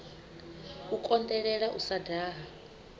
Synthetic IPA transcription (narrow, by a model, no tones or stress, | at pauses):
ukʼɔnd̪ɛɺɛɺaʔusadaːɦa